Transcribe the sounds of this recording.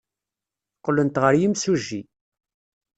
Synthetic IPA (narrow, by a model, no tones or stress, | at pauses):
qːlənt̪ʁəɾjimsuʒːi